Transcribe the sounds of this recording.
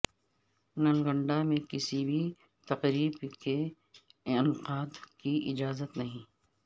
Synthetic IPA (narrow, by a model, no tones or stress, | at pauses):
nɐlɡə̃ɳɖamẽkɪsibʱi | t̪ɐqɾiːbke | ɪnqaːd̪kiʔɪd͡ʒaːzət̪nɐɦĩː